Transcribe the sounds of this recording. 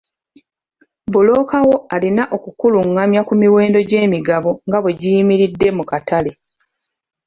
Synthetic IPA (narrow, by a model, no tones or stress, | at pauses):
bulo̞ːkawo̞alinaʔo̞kukuluŋːamjakumiwe̞ːndo̞ɟe̞ːmiɡaβo̞ŋɡaβwe̞ɟijimiɾidːe̞mukatale̞